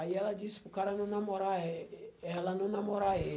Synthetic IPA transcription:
ajalad͡ʒispukaɾanunamɔɾaeɛalanunamɔɾae

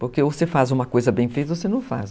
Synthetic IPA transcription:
poɾkeosefazũmɐkojzɐbẽj̃fejt̪ɐosenɐ̃w̃fa̰s

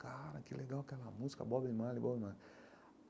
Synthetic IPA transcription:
kaɾakilɛɡaɔkalamuska̰bɔbɛimalibɔbma

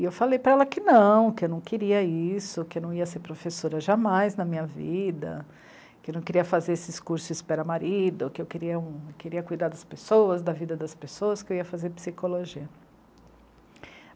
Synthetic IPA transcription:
ewfalejpɾɐɛlɐkɪnɐ̃w̃kɪewnɐ̃w̃keɾiɐisʊkɪwnɐ̃w̃iɐseɾpɾofesoɾɐʒamajznɐmĩɲɐvid̪ɐ̰ | kɪewnɐ̃w̃keɾiɐfazeɾesɪɪskuɾsʊispɛɾɐmaɾid̪ʊkɪewkeɾiɐũkeɾiɐkujd̪aɾd̪ɐspesowɐzd̪ɐvid̪ɐd̪ɐspesowɐskɪewiɐfazeɾpsikoloʒiɐ

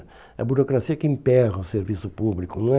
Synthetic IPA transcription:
ɐ̰buɾokɾasiɐkɪĩmpɛɣɐʊseɾvisʊpublikʊnɐ̃w̃ɛ

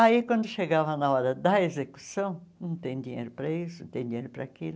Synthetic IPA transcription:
aikwɐ̃nd̪ʊʃeɡavɐnɐɔɾɐd̪ɐezeku̥sɐ̃w̃nɐ̃w̃t̪ẽj̃d̪ĩɲḛjɾʊpɾɐisʊñt̪ẽj̃d̪ĩɲ̃ḛɾʊpɾɐ̰ːkilʊ

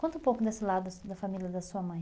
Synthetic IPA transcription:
kõnt̪ũpowkʊd̪esɪlad̪ʊd̪ɐfamiljɐd̪ɐsuɐmɐ̃j̃

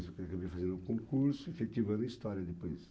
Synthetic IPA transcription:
sʊkakabeɾfazẽnd̪ũkõŋkuɾsʊefet̪ivɐ̃nd̪ɐist̪ɔɾjɐd̪ɪpojs

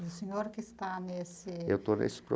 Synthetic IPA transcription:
ʊsɪɲoɾkʲɪst̪anesɪewt̪onḛsɪ̥pɾo̰

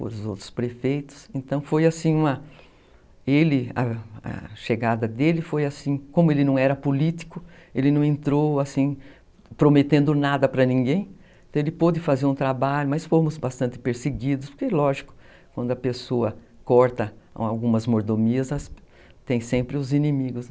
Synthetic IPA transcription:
po̰ɾʊzo̰wt̪ɾʊ̥spɾefejt̪ʊ̥sẽnt̪ɐ̃w̃fojasĩũmɐ | elɪɐ̰ɐ̰ʃeɡad̪ɐd̪elɪfojasĩkõmʊelɪnɐ̃w̃ɛɾɐpolit̪i̥kʊelɪnɐ̃w̃ẽnt̪ɾowasĩ | pɾomet̪ẽnd̪ʊnad̪ɐpɾɐnĩŋɡẽj̃ | ẽt̪ɐ̃w̃elɪpod̪ɪfazeɾũt̪ɾabaʎʊmɐsfomʊzbast̪ɐ̃nt̪ɪpeɾseɡid̪ʊspo̥ɾkelɔʒikʊ̥ | kwɐ̃nd̪ʊɐpesoɐ | kɔɾt̪ɐawɡũmɐzmoɾd̪omiɐzɐs | t̪ẽj̃sẽmpɾɪʊzinĩmiɡʊs

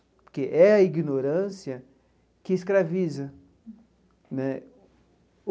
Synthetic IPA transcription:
pʊɾkeʔɛɐiɡnoɾɐ̃siɐ | kɪɪskɾavizɐ | nɛ

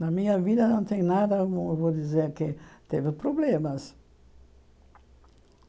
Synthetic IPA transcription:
nɐmĩɲɐvid̪ɐnɐ̃w̃t̪ẽj̃nad̪ɐmvod̪izeɾkɪt̪evɪpɾoblẽmɐs

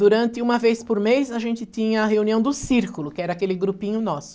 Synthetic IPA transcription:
d̪uɾɐ̃nt̪ɪũmɐvespoɾmejsɐʒẽnt̪ɪt̪ĩɲɐːɦeũniɐ̃w̃d̪ʊsiɾkʊlʊkɪɛɾɐakelɪɡɾupĩɲʊnɔsʊ̥

